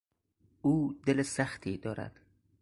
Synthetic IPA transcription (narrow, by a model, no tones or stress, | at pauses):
uːd̪elesæxt̪ʰiːd̪ɒːɾæ̰d̪̥